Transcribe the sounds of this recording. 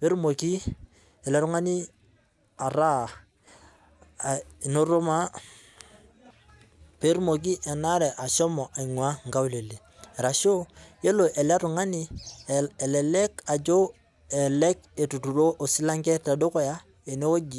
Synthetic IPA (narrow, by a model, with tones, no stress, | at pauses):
pe˦ɾmo˨ki˦ | ɛ˨le˨˦ɾu˦ŋa˦ni˦ | a˨ɾa˦˨ | no˦ɾo˦ma˦ | pe˦ɾmo˨k̬i˦ʔɛ˨na˦ɾɛ˨ʔa˨ʃɔ˦mɔ˨ʔa˨i˨ŋwa˦ŋ˨ɡa˦wu˦le˨le˨ | ɛ˨ɾa˨ʃo˦je˦lo˨ʔɛ˨le˦ɾu˨ŋa˦ni˦ | ɛ˨lɛ˨lɛ˦ka˨d͡ʒo˦ | ɛ˨lɛ˦ke˨tu˨tu˨ɾo˦ʔo˨si˦la˦ŋɡɛ˦ta˨do˦ko˦ja˦ | e˨ne˦wo˦ɡi˨